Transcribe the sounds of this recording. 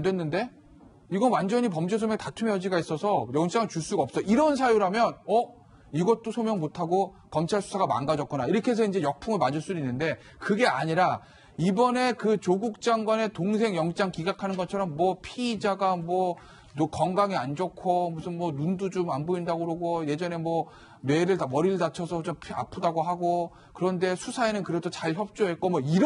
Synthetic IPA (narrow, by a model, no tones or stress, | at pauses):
ndwe̞nːɯnde̞ | iɡʌnwand͡ʑʌɲip̬ʌmd͡ʑes̬ʰomjʌŋtatʰumejʌd͡ʑiɡais͈ʌsʰʌjʌŋt͡ɕ͈aŋɭt͡ɕuɭs͈uɡap̚s͈ʌʔiɾʌnsʰajuɾamjʌnʌ | iɡʌt̚t͈osʰomjʌŋmotʰaɡo | kʌmt͡ɕʰaɭsʰu̥sʰaɡama̰nɡad͡ʑʌt̚k͈unaiɾʌkʰes̬ʰʌind͡ʑe̞jʌk̚pʰuŋɯɭmad͡ʑuɭs͈udoinːɯnde̞ | kɯɡe̞a̰ɲiɾa | ibʌne̞kɯt͡ɕoɡuk̚t͡ɕ͈aŋɡwane̞toŋsʰe̞ŋjʌŋt͡ɕ͈aŋkiɡakʰanɯnɡʌt͡ɕʰʌɾʌmːwʌpʰiːd͡ʑaɡamwʌ | nokʌŋɡaŋiand͡ʑokʰomusʰɯnmwʌnundud͡ʑumanboindaɡoɾoɡoje̞d͡ʑʌne̞mwʌ | ne̞ɾɯɭtamʌɾiɭdat͡ɕʰʌsʰʌt͡ɕompʰa̰pʰɯdaɡoɦaɡo | kɯɾʌnde̞sʰusʰae̞nɯnkɯɾedʰot͡ɕaɭçjʌp̚t͡ɕ͈oɦe̞t̚k͈omwʌiɾ